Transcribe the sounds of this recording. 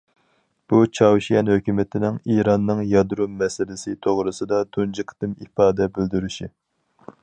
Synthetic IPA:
b̥ut͡ʃʰɑwʃijɛnhøkʲymɪt̪ʰɪnɪŋiɾɑnːɨŋjɑd̪ɾumːɛsɪlɪsɪt̪ʰoʁɾɨsɨd̪ɑd̪ʰund͡ʒɨqʰɨ̥t̪ɨmifɑːd̪ɛbɪld̪yɾyʃi

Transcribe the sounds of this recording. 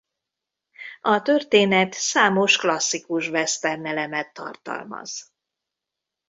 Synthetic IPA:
ɒt̪ørt̪eːnɛt̪saːmo̞ʃklɒsːikuʃvɛst̪ɛrnɛlɛmɛt̪ːɒ̰rt̪ɒ̰lmɒ̰z̥

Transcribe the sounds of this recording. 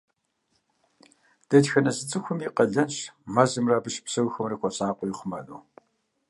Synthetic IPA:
d̥ɐtxɐnɐzɨt͡sʼɨxʷʊmiːqʼɐɮɐnɕmɐzɨmraːbɨɕpsɐwxɐmrikʷʰʼɔɕʼaːqʷʼɔjiχʷʊmɐnuː

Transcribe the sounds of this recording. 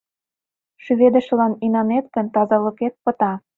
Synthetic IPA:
ʃyβed̪ə̆ʃə̆lɑninɑnet̪ɡə̆nt̪ɑzɑlɤ̆ket̪̚pɤ̆t̪ɑ

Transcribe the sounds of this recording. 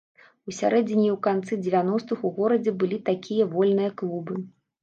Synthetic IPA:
usʲa̰ɾɛd͡zʲinʲiwkant̪sɨd͡zʲɛvʲanɔst̪ɨxuɣɔɾɐd͡zʲɛbɨlʲit̪akʲʰijɐvɔlʲnɨjɐklˠubɨ

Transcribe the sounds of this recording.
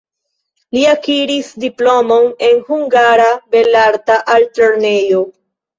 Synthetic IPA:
liakiɾisdiplo̞mo̞ne̞nhuŋɡaɾabe̞laɾtaʔalto̞ɾne̞jo̞

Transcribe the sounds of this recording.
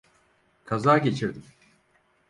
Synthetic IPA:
kʰazaːɟe̞t͡ʃʰiɾd̪im

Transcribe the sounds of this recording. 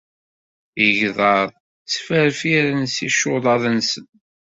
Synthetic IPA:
əʝðˤɑðˤ | t͡sːfəɾfiɾənsiʃʊðˤɑðˤənsən

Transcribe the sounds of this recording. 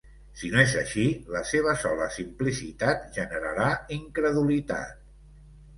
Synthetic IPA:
sinoezəʃiləseβ̞əsɔlə̰simplisit̪at̪ʒənəɾəɾaiŋkɾəðulit̪a̰t̪̚

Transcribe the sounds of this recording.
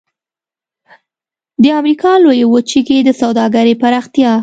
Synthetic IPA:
d̪əamɾikʰɑlojewot͡ʃiked̪əsawd̪ɑɡaɾepaɾɑxt̪jɑ

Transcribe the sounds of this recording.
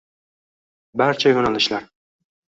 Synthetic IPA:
baɾt͡ʃʰajonalɪʃlaɾ

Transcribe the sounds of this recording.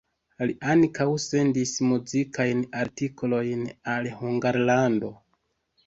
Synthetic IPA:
liʔankawse̞ndismuzikʰajnaɾtikolo̞jnalhuŋɡaɾlando̞

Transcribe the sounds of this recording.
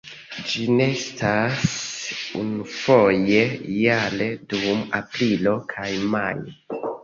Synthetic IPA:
d͡ʒine̞stʰasunufo̞je̞jale̞duma̰pɾilo̞kʰajmaj

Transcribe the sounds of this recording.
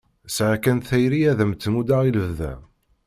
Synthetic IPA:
sʕakænθæjɾiæðəmt̪ːmud̪aʁiləvðæ̰

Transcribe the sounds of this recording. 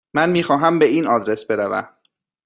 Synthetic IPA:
mænmiːxɒːɦæmbeiːnɒːd̪ɾe̞sbe̞ɾævæ̰m

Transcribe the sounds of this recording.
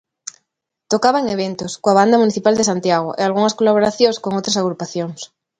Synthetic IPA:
t̪okaβaeŋeβ̞ent̪oskoaβ̞and̪amũniθipald̪esant̪jaɣ̞oʔealɣ̞uŋaskolaβ̞oɾaθjoŋsko̞ŋot̪ɾasaɣ̞ɾupaθjoŋs

